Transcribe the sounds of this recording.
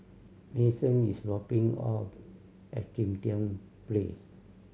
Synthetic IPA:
nesə̃nisɹɔpĩŋɔ̰p | ɛ̰t̚kĩmtiə̃n | plḛs

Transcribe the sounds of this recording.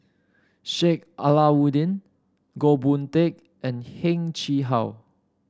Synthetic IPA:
ʃek̚ʔalawudĩn | ɡobũntek̚ | ʔɛ̃nhɛ̃ŋt͡ʃiɦaw

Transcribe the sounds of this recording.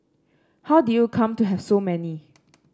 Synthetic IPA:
hawdujukʰãmtuɦɛv̥somɛni

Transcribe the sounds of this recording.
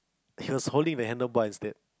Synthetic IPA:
hiʋɔshoːlɖɪ̃ŋd̪əɦɛ̃ndɔfbɔɪɪ̃nsted̥

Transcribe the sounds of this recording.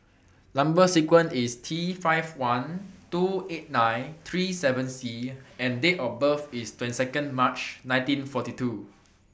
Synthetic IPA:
lãmbəsikwə̃nistʰifaɪvwãntuet̚nãj̃nt̪ʰɹisɛvə̃nsiɛ̃ndeʔɔfbəfistwɛ̃ntisɛkə̃nmat͡ʃnãj̃ntĩnfɔtitu

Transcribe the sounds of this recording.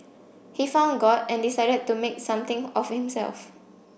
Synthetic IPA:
hifãʊ̃nɡɔtɛ̃ndisaɪdəd̚tːumek̚sãmt̪ɪ̃ŋɔfhĩmsɛ̰lf

